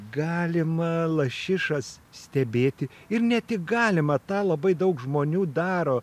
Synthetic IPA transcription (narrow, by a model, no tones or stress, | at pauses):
ɡɑːlʲɪmɐlˠɐʃʲɪʃɐssʲt̪ʲɛbʲeːt̪ʲɪ | ɪɾnʲɛt̪ʲɪkɡɑːlʲɪmɐt̪ɑːlˠɐbɐɪd̪ɐʊkʒmoːnʲuːd̪ɑːɾoː